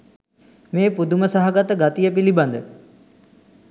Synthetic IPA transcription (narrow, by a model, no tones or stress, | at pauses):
meːpud̪uməsaɦaɡat̪əɡat̪ijəpiliband̪ə